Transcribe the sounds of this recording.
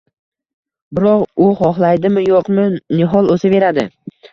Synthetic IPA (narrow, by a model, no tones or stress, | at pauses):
bɪɾɒqʊχɒχlˠajd̪ɪmɪjoqmɪnɪɦɒlˠozɪbe̞ɾad̪ɪ